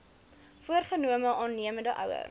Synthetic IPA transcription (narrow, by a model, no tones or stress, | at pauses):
fuərχənuəməʔɑːnːiəməndəʔœ̰wə̰r